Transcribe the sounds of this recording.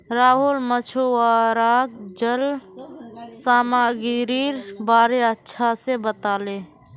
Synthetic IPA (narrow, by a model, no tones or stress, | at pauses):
ɾaːɦulmət͡ʃʰoaɾaːɡd͡ʒəl | saːmaɡiɾiɾbaːɾeətːʃʰasebət̪aːle